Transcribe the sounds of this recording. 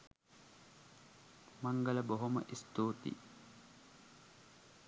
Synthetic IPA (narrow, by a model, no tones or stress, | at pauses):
maŋɡələboɦomə̰ʔist̪oːt̪ḭ